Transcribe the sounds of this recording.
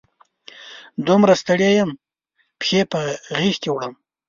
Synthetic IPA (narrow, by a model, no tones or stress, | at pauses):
d̪umɾast̪əɽjejam | pxepəɣixkewɽəm